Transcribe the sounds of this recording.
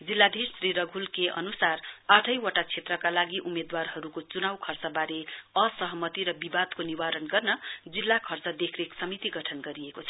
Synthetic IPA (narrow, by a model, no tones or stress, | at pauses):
d͡zilːad̪ʱessriɾʌɡʱulkeʔʌ̰nusaraʈʰʌjwʌʈat͡sʰet̪rʌkalaɡiʔumed̪warɦʌɾukot͡sunawkʰʌrt͡sʌbaɾeʌsʌɦʌmʌt̪iɾʌbibad̪koniwaɾʌnɡʌrnʌd͡zilːakʰʌrt͡sʌd̪ekʰreksʌmit̪iɡʌʈʰʌnɡʌɾiekot͡sʰʌ